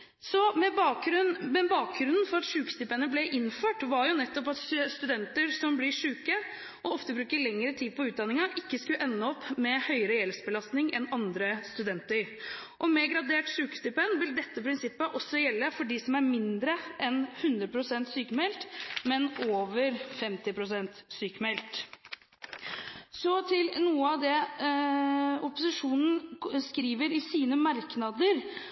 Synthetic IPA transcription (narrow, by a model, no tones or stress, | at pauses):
sɔmɛbɑːk̚ɾʉnmɛbɑːk̚ɡɾʉnn̩fɔɾɑt̪ʂʉːkst̪ɪpənəblɛʔɪnːføːʈʋɑɾjʊnɛt̪ːɔpɑt̪st̪ʉd̪ɛnt̪əɾsɔmblɪʂʉːkə | ʔɔɔft̪əbɾʉːkəɭɛŋːəɾət̪ʰiːd̪̚pʰɔʉːt̪̚d̪ɑnɪŋɑʔɪkːəskʉlʔɛnːəɔpːmɛhœʏəɾəjɛlsbəlɑst̪nɪŋɛ̰nɑnd̪ɾəst̪ʉd̪ɛnt̪əɾ | ʔɔmɛɡɾɑd̪eːʈʂʉːkst̪ɪpənʋɪld̪ɛt̪ːəpʰɾɪnsɪpːəʔɔsːɔjɛlːəfɔɖɪsɔmæɾmɪnd̪ɾəʔɛnhʉnd̪ɾəpʰɾʊsɛnt̪syːkəmɛlt̪mɛnoːʋəɾfɛmt̪ɪpʰɾʊsɛnt̪syːkmɛlt̪ | sɔt̪ʰɪlnuːəɑʋd̪ɛ | ɔpʊsɪʂuːnn̩skɾiːʋəɾɪsiːnəmɑɾknɑd̪əɾ